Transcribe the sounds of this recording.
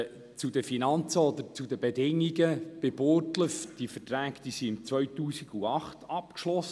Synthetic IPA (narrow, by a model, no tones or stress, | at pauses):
t͡sudəfinɑnt͡səɔd̪əɾt͡sudəbedɪŋːiɡəb̥ɪb̥oːrtləfd̥ifətɾæːkd̪̥isiɪmt͡svœɥtuːsiɡ̥uɑχtʰɑpkʃlɔs